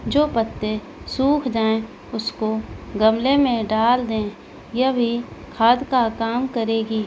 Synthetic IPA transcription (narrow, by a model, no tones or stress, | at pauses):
d͡ʒoːpət̪ːe | suːkʰd͡ʒaːẽ | ʊskoɡɐmlemẽɖaːld̪ẽ | jɐbʱikʰaːd̪kakaːmkəɾeːɡiː